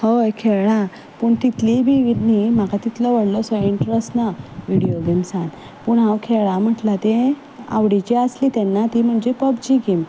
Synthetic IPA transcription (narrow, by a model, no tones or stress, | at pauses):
həjkʰeɭɭa | puːɳt̪it̪libʱiʋid̪nim̤akat̪it̪ləʋəɽlɔsɔiɳʈɾəsʈnaʋiɽijoɡemsãn | puːɳɦãwkʰeɭam̤əʈlat̪e | a̰ʋɽit͡ɕiəslit̪ɛnːat̪im̤əɳd͡ʑepəbd͡ʑiɡem